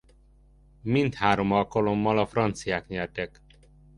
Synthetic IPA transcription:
mint̪haːɾomɒlkɒlomːɒlɒfrɒnt̪sijaːkɲɛrt̪ɛk

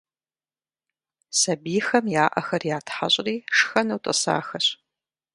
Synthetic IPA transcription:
sɐbiːxɐmjaːʔɐxɐrjaːtʰħaɕʼriːʂxɐnɐwtʼɨ̰sa̰ːxɐɕ

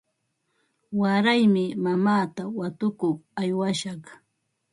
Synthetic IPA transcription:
waɾajmɪmamaːt̪awat̪ʊkoχajwaʃɑχ

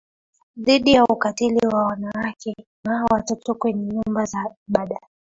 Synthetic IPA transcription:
ðiɗijaukatiliwawanawakɛnawatɔtɔkwɛɲɛɲumbazaɓaɗaɛ

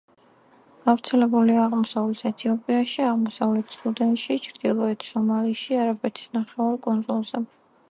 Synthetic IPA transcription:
ɡ̥avɾt̪sʰɛlɛbuliaːʁmɔsavlɛt̪ʰɛt̪ʰiɔpʼiaʃiaʁmɔsavlɛt̪ʰsud̪ɛnt̪ʃit͡ʃʰɾd̪̥ilˠɔɛt̪ʰsɔmaliʃiaɾabɛt̪ʰi̥snaχɛvaɾkʼund̪zulˠz̥ɛ

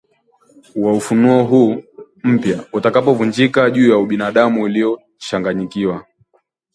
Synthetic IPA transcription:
waufunuɔɦuː | m̩pjautakapɔvund͡ʒikaʄuːjauɓinaɗamuilijɔ | t͡ʃaŋɡaɲikiwa

